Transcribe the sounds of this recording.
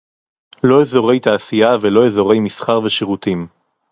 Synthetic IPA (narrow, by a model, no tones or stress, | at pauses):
lo̞ezo̞ʁe̞jt̪aːsijavelo̞ezo̞ʁe̞jmisχaʁveʃeʁut̪im